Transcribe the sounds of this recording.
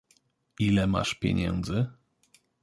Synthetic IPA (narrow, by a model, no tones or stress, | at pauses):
ilɛma̰ʂpʲjɛ̰ɲɛ̰nd̪zɘ